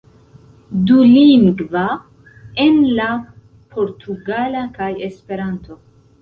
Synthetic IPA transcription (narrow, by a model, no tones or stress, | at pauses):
duliŋɡva | e̞nla | pʰo̞ɾtʰuɡalakaje̞spe̞ɾanto̞